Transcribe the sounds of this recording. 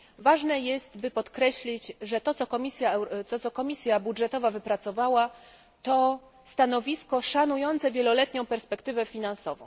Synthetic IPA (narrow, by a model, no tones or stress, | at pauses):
vaʐnɛjɛst̪bɘpɔt̪kɾɛɕlʲit͡ɕʐɛt̪ɔt̪sɔkɔmʲisʲjaɔt̪ɔkɔmʲisʲjabudʐɛt̪ɔvavɘpɾat̪sɔvawa | t̪ɔ | st̪anɔvʲiskɔʂanujɔnt̪sɛvʲjɛlɔlɛt̪ɲɔ̃w̃pɛɾspɛkt̪ɘvɛfʲinansɔvɔ̰̃w̃